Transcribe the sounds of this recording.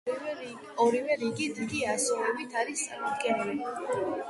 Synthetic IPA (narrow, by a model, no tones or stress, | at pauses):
ɔɾivɛɾiɡid̪iɡiasulɛbit̪ʰaɾist̪sʼa̰ɾmɔd̪ɡɛnili